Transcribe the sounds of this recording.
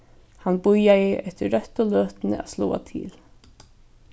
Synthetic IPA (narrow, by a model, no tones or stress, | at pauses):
hanːbʊjajɪʔɛht̪ɪːœht̪ʊlœːt̪nɪ̰ʔaslɔːa̰t̪ʰḭːl